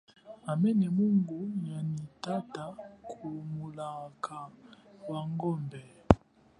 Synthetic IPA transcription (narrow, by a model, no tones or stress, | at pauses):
amɛnɛmuŋɡuɲanitatakʰumulakʰawaŋɡɔmbɛ